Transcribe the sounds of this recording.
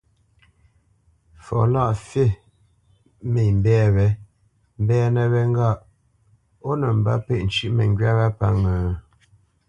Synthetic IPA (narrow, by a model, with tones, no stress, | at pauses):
fɔ̰˨la˦˨ʔfe˦˨ | me˨m̩˨bɛː˦βɛ˦ | m̩˦bɛː˦nə˨βɛ˦ŋ˦ɡa˦˨ʔ | o˦nə˨m̩˨ba̰˦pe˦ʔn̩˨t͡ʃʉ˦ʔmə˨ŋɡɥa˦ɣa˦pa˦ŋə˨